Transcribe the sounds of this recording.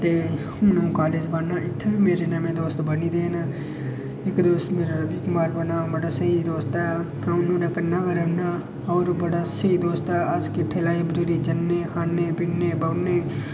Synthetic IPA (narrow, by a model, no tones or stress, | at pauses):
t̪eː | ʊnũkaːlɪd͡ʒbaːnaɪt̪ʰːeimeːɾenamẽd̪oːst̪bənid̪eːna | ɪkd̪oːst̪meːɾaɾəbikmaːɾbənaːbəɽasəɦid̪oːst̪ɛː | ʊnõːneːkənːaːkəɾənaː | ɔːɾbəɽaːsəid̪oːst̪ɛːʔad͡ʒkepʰeːlaːibəɾiɾid͡ʒənːexʰaːnːeːpɪnːeːbəneː